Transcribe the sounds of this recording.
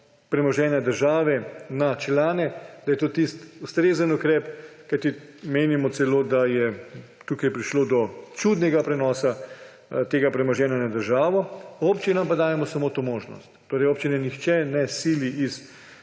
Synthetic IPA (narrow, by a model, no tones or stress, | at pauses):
pɾɛmɔʒɛːnjad̪əɾʒaːʋɛnat͡ʃlaːnɛd̪̥ajɛt̪oːt̪ist̪ust̪ɾeːzənukɾɛːpkajt̪imeːnimɔt̪sɛloːd̪ajɛ | t̪uːkajpɾiʃloːd̪ɔt͡ʃud̪nɛɡapɾɛnɔːsa | t̪eːɡapɾɛmɔʒɛːnjanad̪əɾʒaːʋɔoːpt͡ʃinampad̪aːjɛmɔsamoːt̪oːmoːʒnɔ̰st̪ːoːɾɛjoːpt͡ʃinɛnixt͡ʃɛnɛsiːliʔis